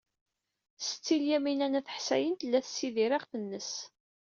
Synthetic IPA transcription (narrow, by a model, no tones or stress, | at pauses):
sə̥t͡sːiljæminænæθə̥ħsæ̰jənt̪əlːæθə̥sːiðiɾɪʁθənːəs